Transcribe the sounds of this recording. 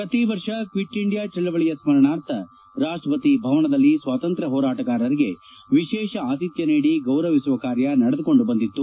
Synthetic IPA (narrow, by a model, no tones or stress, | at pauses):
pɾɐt̪iʋɐɾʂɐkʋiʈːiɳɖijaːt͡ʃɐlːɐʋɐɭijɐsmɐɾɐnaːɾt̪ʰɐ | ɾaːʂʈɾɐpɐt̪ibʱɐʋɐɳɐd̪ɐlːisʋaːt̪ɐnt̪ɾɐɦɔːɾaːʈɐkaːɾɐɾiɡe̞ | ʋiʃɛːʃɐaːt̪it̪jɐniːɽiɡɐwɾɐʋisuʋɐkaːɾjɐnɐɽɐd̪uko̞ɳɖubɐnd̪it̪ːu